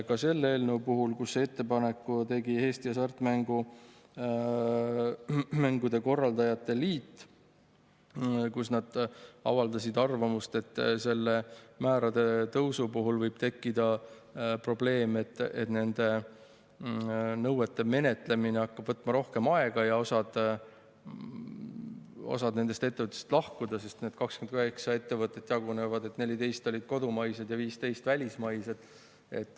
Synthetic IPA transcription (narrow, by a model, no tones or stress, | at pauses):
kɑse̞lːe̞ːlnɤwpuɦulkusːee̞t̪ːe̞pɑne̞kːut̪e̞ɡihe̞ːst̪iɑsɑrt̪ˑmæŋɡ̥u | mæŋɡud̪̥e̞ko̞rːɑld̪ɑjɑt̪ːˑe̞liːt̪ːˑ | kusnɑd̪̥ɑ̰vɑld̪ɑsʲid̪ɑrvɑmust̪e̞t̪ːse̞lːe̞mæːɾɑd̪̥e̞t̪ɤwsupuɦulvɤjb̥̚t̪e̞kːid̪̥ɑ | pro̞ble̞ːmet̪ːet̪ne̞nd̪̥e̞ | nɤwet̪ːˑe̞me̞ne̞t̪ˑle̞mineɑkːɑb̥vɤt̪ːˑmɑɾo̞hke̞mɑe̞ɡ̥ɑjɑo̞sɑd̪̥ | o̞̰sɑd̪ne̞nd̪e̞st̪e̞t̪ːe̞vɤt̪ːˑe̥st̪lɑhkud̪ɑse̞st̪ned̪̥kɑkskyenkyɦeksɑe̞t̪ːe̞vɤt̪ːˑe̞t̪ːˑjɑɡ̥une̞vɑd̪e̞t̪ne̞lʲid̪e̞jst̪o̞lʲid̪̥̚ko̞d̪umɑjsed̪̥jɑviːst̪e̞jst̪vælʲismɑjsed̪̥ | e̞̰t̪ːˑ